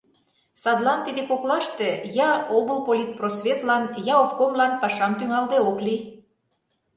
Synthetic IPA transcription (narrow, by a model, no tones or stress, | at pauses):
sɑd̪lɑnt̪id̪ĕkoklɑʃt̪ejɑoβə̆lpolʲit̪̚prosβʲet̪lɑnjɑop̚komlɑnpɑʃɑmt̪yŋɑld̪eokli